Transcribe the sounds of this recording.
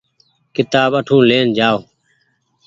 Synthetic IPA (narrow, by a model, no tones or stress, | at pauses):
kɪt̪aːɓəʈʰũːleːnd͡ʒaːo